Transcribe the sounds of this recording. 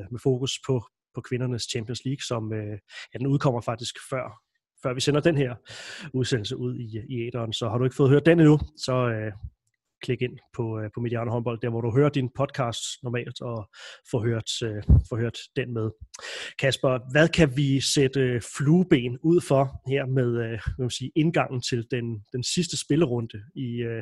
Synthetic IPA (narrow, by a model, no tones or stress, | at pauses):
mefo̝ːkuspʰɒ̽ | pʰɒ̽kʰʋe̝nɐnəst͡ɕʰæmpʰiɔnsliːɡ̥sɒ̽møjæd̥enuð̞ˠkʰɒ̽m̰ɐfɑ̈ɡ̥d̥isɡ̥fɶɐ̰ | fɶɐ̰ʋisenɐd̥enheɐ̰uð̞ˠsen̰l̩səʔuð̞̰ˠiiḛːd̥ɐːnsɒ̽hɑ̈ɾue̝ɡ̥fɔ̽ːð̩høɐ̰d̥eninusɒ̽ø | kʰle̝ɡ̥e̝n̰pʰɒ̽pʰɒ̽mediɑ̈ːnəɦɒ̽nb̥ɒ̽ld̥æɐ̰ʋɒɾuɦøːɐd̥inpʰɒ̽d̥̚kʰɑ̈ːsd̥nɒmɛ̰ːld̥ɒ̽fɔ̽ːɦøɐ̰d̥øfɒ̽ːhøɐd̥ːenmeð̞ˠkʰæsb̥ɐʋæðˠkʰæʋised̥əfluːb̥e̝̰ːnuð̰ˠfɒ̽heɐ̰meðˠøæmæsiːʔe̝nɡ̥ɑ̈ŋ̰n̩t͡sʰe̝ld̥end̥ensisd̥əsb̥e̝ləʁɔ̽nd̥əiø